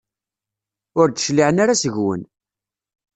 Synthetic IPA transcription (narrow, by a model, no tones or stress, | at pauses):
ʊɾd̪ə̥ʃliʕənaɾasəʝwə̰n